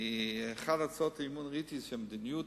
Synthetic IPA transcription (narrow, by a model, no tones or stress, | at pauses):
χadat͡sɔtɪmuːnʁitisʃɛmdɪnju